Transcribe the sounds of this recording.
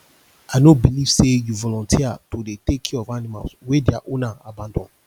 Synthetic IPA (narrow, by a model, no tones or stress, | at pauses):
aɪnobiliv̥sejuvɔlɔ̃ntʰiatodetekʰĩɔvanima̰lswedjaʔõnãabãndɔ̃n